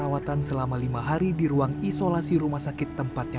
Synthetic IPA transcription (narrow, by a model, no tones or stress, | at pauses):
awat̪ansəlamalimaɦaɾidiɾuaŋisolasiɾumahsakɪt̪ːəmpat̪̚ɲa